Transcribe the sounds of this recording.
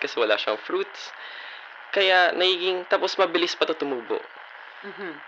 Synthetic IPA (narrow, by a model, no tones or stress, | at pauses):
kɐsɛwɐla̰ːʃɐɐŋfɾuːt̪s | kɐjanɐɡiːɡɪŋt̪aːposmɐbɪlɪspɐt̪ot̪ʊmuːbo̰ʔ | m̩ː